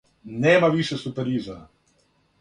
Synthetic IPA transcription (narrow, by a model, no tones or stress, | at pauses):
nɛːmaʋiːʃɛsupɛɾiːza